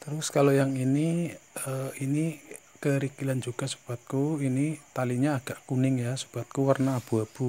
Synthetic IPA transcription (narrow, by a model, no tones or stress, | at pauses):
t̪əɾʊskalojaŋiniəini | kəɾikiland͡ʒuɡ̥a̤su̥b̥at̪̚kuinit̪aliɲaːɡ̥aʔkunɪŋjasu̥b̥a̤t̪̚kuwərnaːb̥ṳab̥u